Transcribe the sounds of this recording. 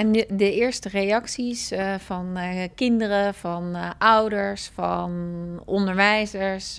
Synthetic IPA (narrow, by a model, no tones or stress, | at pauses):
ɛndəɪːɹstərejɑksisvɑnkɪndərəvɑnʔʌwdəɹsfɑ̰nɔndəɹʋɛjzəɹs